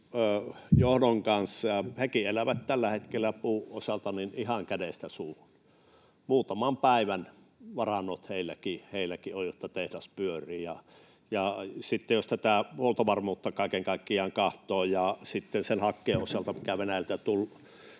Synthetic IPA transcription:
johdoŋkɑnsːɑhekielæʋæt̪t̪ælːæhet̪kelːæpuːʔʔosʲɑlt̪ɑninihɑŋkædest̪æsuːhun | muːt̪ɑmɑmpæˑiʋæn | ʋɑrɑnːot̪heˑilːækiheˑilːˑækiojot̪ːɑt̪ehdæspyørˑiːjɑ | jɑsit̪ːejjost̪æt̪æholt̪oʋɑrmuːt̪ːɑkɑˑikeŋkɑˑikːiɑːŋkɑht̪ˑoːjɑsit̪ːensenhɑkːeːʔʔosɑlt̪ɑmikæʋenæjælt̪æt̪ul

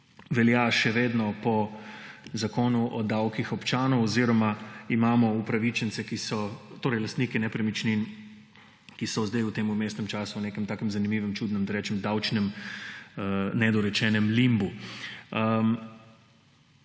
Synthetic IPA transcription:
ʋɛljaʃɛʋeːd̪nɔpɔ | zakoːnuʔɔd̪awkixɔpt͡ʃaːnɔwɔziɾɔmaimaːmɔupɾaʋit͡ʃɛnsɛkisɔt̪oːɾɛɪjlast̪niːkɛnɛpɾɛmit͡ʃnin | kisɔzd̪ajuwt̪eːmumeːst̪nɛmt͡ʃaːsuwneːkɛmt̪aːkəmzanimiːʋɛmt͡ʃuːd̪nɛmd̪ɐɾɛːt͡ʃɛmd̪awt͡ʃnɛm | nɛd̪ɔɾɛt͡ʃɛnɛmlimbu | ə

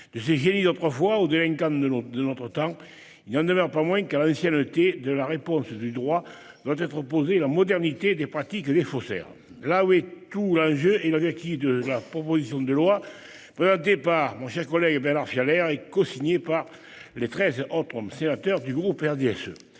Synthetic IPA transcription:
d̪̥əseʒenid̪ot̪χəfwaod̪elɛ̃ŋkɑ̃əd̪ənɔt̪χət̪ɑ̃ | ilnɑ̃nd̪əmœʁpamwɛ̃kalɑ̃sjɛnət̪ed̪əlaʁepɔ̃sd̪yd̪ʁwa | d̪̥wat̪ɛt̪χəpozelamɔd̪ɛʁnit̪ed̪epχat̪ikd̪efɔsɛ̰ʁ | lawɛt̪ulɑ̃ʒøelavɛʁk̪id̪əlapχɔpozisjɔ̃d̪əlwa | pχezɑ̃nt̪̬epaʁmɔ̃ʃɛʁkɔlɛɡbɛʁnaʁfjalɛʁekɔ̃siɲepaʁ | let̪χɛzɔt̪χəsenat̪œʁd̪yɡʁupɛʁd̪eɛsø̰

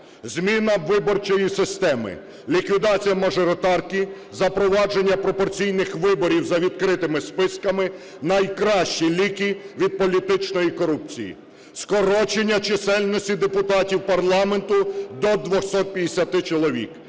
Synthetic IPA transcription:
zʲmʲinɐʋɪbɔrt͡ʃɔjisɪst̪ɛmɪ̰ | lʲikʋʲid̪ɑt͡sʲijɐmɐʒɔɾɔt̪ɑrkʲi | zɐpɾɔʋɑd͡ʒe̞nʲːɐpɾɔpɔrt͡sʲijnɪxʋɪbɔɾʲiwzɐʋʲid̪̚kɾɪt̪ɪmɪspɪskɐmɪ | nɐjkɾɑʃt͡ʃilʲikʲiʋʲid̪̚pɔlʲit̪ɪt͡ʃnɔjikɔɾup̚t͡sʲijḭ | skɔɾɔt͡ʃenʲːɐt͡ʃesɛlʲnɔsʲtʲid̪epʊt̪ɑtʲiwpɐrlˠɑme̞nt̪ʊd̪ɔd̪ʋɔxsɔt̪̚pʲjɐd̪esʲɐt̪ɪt͡ʃɔlˠɔʋʲḭk

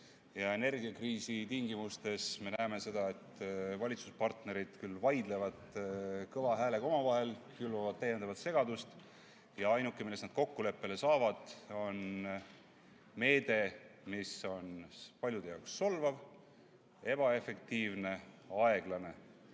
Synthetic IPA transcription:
jɑe̞ne̞rɡiɑkriːsit̪iŋɡimust̪e̞sme̞næeme̞se̞d̪̥ɑe̞t̪ːvɑlʲit̪suspɑrt̪ne̞ɾid̪̥kylːvɑjd̪le̞vɑd̪̥kɤvɑɦæːle̞ɡ̥o̞mɑvɑɦe̞lkylvɑvɑd̪̚t̪ːæjːe̞nd̪ɑvɑt̪se̞ɡ̥ɑd̪ust̪ | jɑɑjnukːˑemilːe̞snɑd̪̥ko̞kːule̞pːe̞le̞sɑːvɑd̪̥o̞n | me̞ːd̪̥e̞miso̞npɑlʲjud̪̥ejɑwksːo̞lvɑv | e̞b̥ɑe̞fe̞kt̪iːvne̞ɑe̞ɡ̥lɑne̞

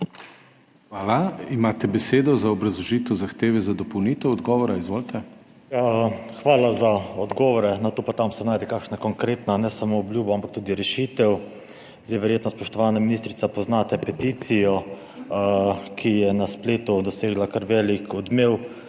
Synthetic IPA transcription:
xʋaːlaimaːt̪ɛbɛseːd̪ɔzaɔbɾɐzlɔʒiːt̪ɛwzaxt̪eːʋɛzad̪ɔpɔwniːt̪ɛwɔd̪ɡɔːʋɔɾaizʋoːlt̪ɛ | jaxʋaːlazaɔd̪ɡɔʋɔɾɛnɔt̪opat̪amsɛnaːjd̪ɛkakʃnakɔŋkɾeːt̪nanɛsamoːbljuːbɔampak̚t̪uːd̪iɾɛʃiːt̪ɛw | zd̪ejʋɛɾjeːt̪nɔspɔʃt̪ɔʋaːnaminist̪ɾit̪sapɔznat̪ɛpɛt̪iːt̪sijɔ | kʰijɛnaspleːt̪ud̪ɔseːɡlakaɾʋɛːlikɔd̪meːw

